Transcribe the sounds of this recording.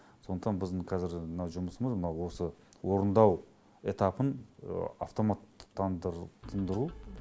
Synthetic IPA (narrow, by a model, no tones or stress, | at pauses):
so̞nd̪əqt̪ɑnbɪzd̪ɪɴqʰɑzɪɾnɑwʒʊməsəməzmənɑwo̞səwo̞ɾənd̪ɑw | e̞t̪ɑpənə̰a̰ft̪o̞mat̪ːɑnd̪t̪ʰːənd̪əɾu